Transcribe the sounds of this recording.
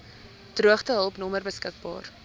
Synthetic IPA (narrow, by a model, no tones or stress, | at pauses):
truəχtəɦəlˠpnɔmərbəskək̚bɑ̰ːr